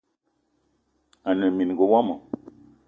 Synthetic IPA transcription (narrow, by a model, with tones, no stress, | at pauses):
a˨nə˨mi˨n˨ɡo˨wa˦mo˨